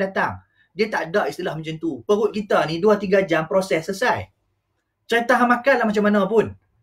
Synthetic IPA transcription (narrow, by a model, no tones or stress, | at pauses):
dat̪aŋ | diat̪aʔdaʔist̪ilahmə̃ɲd͡ʒənt̪upəɣʊt̪̚kit̪anĩduat̪iɡad͡ʒampɾosɛsːəsaj | t͡ʃat̪aɦamakanlahmat͡ʃamːanãpʊn